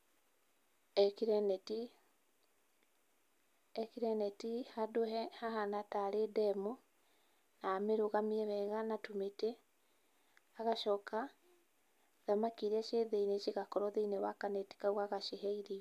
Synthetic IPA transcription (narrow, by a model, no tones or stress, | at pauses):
ɛkiɾɛnɛti | ɛkiɾɛnɛtihadohɛhaɦanataɾedɛmo | nameɾoɣamiɛβɛɣanatumete | aɣaʃɔka | ðamakiɾɛʃeðeineʃiɣakɔɾɔðeinewakanɛti̥kawaɣaʃeɦɛiɾi